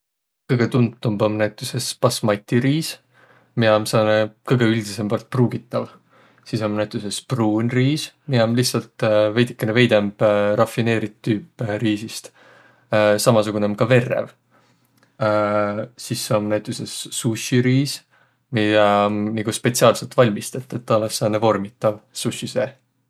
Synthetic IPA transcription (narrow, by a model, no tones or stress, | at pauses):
kɤjɡ̥e̞t̪unt̪t̪ːumbomnæjt̪ːˑuse̞spɑsmɑjt̪ʲːiɾiːs | miɑmsɑːnekɤjɡ̥e̞yld̪̥ise̞mbɑrt̪̚pruːɡ̥it̪ːˑɑl | sisomnæjt̪ːˑusespruːnʲriːsmiɑmliht̪sɑlt̪ve̞jd̪ikːˑeneve̞jd̪emb̥ɾɑfine̞ːɾit̪ːyːpːɾiːsist̪ː | sɑmɑsuɡ̥unemkɑve̞rːḛv | sisːomnæjt̪ːˑusesːuɕiɾiːs | miɑmniɡ̥uspe̞t̪siɑːlse̞lt̪ˑvɑlʲmist̪et̪ːˑet̪ːɑlːesːɑːnevo̞rmit̪ːˑɑvsuɕise